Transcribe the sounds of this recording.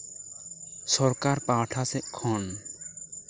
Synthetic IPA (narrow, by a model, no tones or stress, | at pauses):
sɔɾkaɾpaːʈʰasɛʔkʰɔn